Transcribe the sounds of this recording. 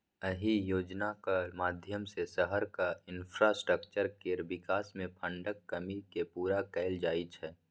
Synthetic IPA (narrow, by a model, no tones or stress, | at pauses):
əɦijoːd͡ʒnakamaːd̪ʱjəmsesəɦəɾkaɪ̃npʰɾasʈɾəkt͡ʃəɾkeːɾʋɪkaːsmẽpʰə̃ɳɖəkːɐmikepuːɾakɛɪld͡ʒaːit͡ʃʰɛː